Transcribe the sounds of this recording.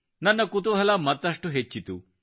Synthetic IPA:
nɐnːɐkut̪uɦɐlɐmɐt̪ːɐʂʈuɦet͡ʃːit̪u

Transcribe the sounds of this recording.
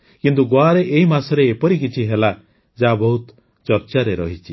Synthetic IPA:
kint̪̬uɡoaɾeʔeimasɔɾeːpɔɾik̬it͡ʃʰiɦela | d͡ʒabɔɦut̪ | t͡ʃɔɾt͡ʃaɾeɾɔɦit͡ʃʰi

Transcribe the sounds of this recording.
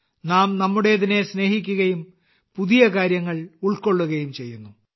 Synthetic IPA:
naːmnɐmːuɽe̞ðine̞sne̞ːhik̬ʲːuɣɐjum | puðijɐkaːɾjɐŋːɐɭuɭko̞ɭːuɣɐjumt͡ɕe̞jːunːu

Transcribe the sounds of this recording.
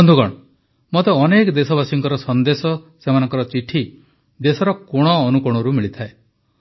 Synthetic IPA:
ɔnd̪ʱuɡɔ̰ɽ̃ɔ | mɔt̪eɔnekɔd̪esɔbasiŋkɔɾɔsɔnd̪esɔsemanɔŋkɔɾɔt͡ʃiʈʰi | d̪esɔɾɔkoɽ̃ɔːnukuɽ̃ɔɾumiɭit̪ʰae

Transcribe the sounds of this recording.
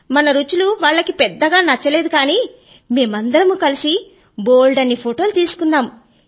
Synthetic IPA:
mɐnɐɾut͡ʃuluʋaːɭːɐkipɛd̪ːɐɡaːnɐt͡ʃːɐle̞ːd̪ukaːniː | me̞ːmɐnd̪ɐɾɐmukɐlisi | boːlɖɐnːipʰoʈo̞ːlut̪iːsu̥kunːaːmu

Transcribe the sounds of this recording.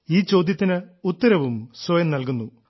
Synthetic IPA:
iːt͡ɕo̞ːd̪ʱjɐt̪ːinɨut̪ːɐɾɐʋumswɐjɐmnɐlk̬unːu

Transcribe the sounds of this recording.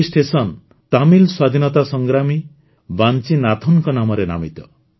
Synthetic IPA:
sʈesɔn | t̪amilswad̪ʱinɔt̪asɔŋɡɾami | bant͡ʃinat̪ʰunkɔnamɔɾena̰mit̪ɔ

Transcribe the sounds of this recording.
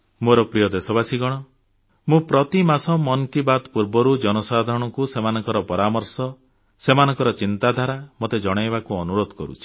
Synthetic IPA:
moɾɔpɾijɔd̪esɔβasiɡɔɽ̃ɔ | mũpɾɔt̪imasɔmɔnkibat̪puɾbɔɾud͡ʒɔnɔsad̪ʱaɾɔɽ̃ɔkusemanɔŋkɔɾɔpɔɾamɔɾsɔ | semanɔŋkɔɾɔt͡ʃint̪ad̪ʱaɾamot̪ed͡ʒɔɽ̃ajbakuɔnuɾod̪ʱɔkɔɾṵt͡ʃʰi̥

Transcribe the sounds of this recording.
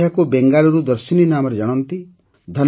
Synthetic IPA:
jakubeŋɡalɔɾud̪əɾsininamɔɾed͡ʒɔɽ̃ɔnt̪i | d̪ʱɔn

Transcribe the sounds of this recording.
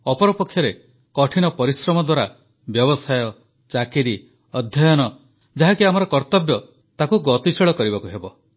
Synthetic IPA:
ɔpɔɾɔpɔkʰːjɔɾe | kɔʈʰinɔpɔɾisɾɔmɔd̪waɾa | bjɔbɔsajɔ | t͡ʃakiɾi | ɔd̪ʱjɔjɔnɔ | d͡ʒaɦakiamɔɾɔkɔɾt̪ɔbjɔ | t̪akuɡɔt̪isɔɭɔkɔɾibakuɦebɔ

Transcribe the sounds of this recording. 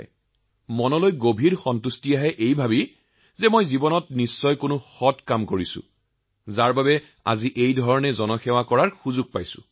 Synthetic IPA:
mɔnɔlojɡobʱiɹxɔntustiaɦɛʔejbʱabi | zɛmojzibɔnɔtnisːɔjkʊnʊxɔtkamkoɹisʊ̰̃ | zaɹbabɛ | a̰ziʔejdʱɔɹɔnɛzɔnɔxɛwakɔɹaɹxuzʊɡ̚pajsʊ̰

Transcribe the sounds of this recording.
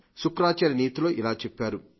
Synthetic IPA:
sukɾaːt͡ʃaːɾiniːt̪ilo̞ːʔilaːt͡ʃepːaːɾu

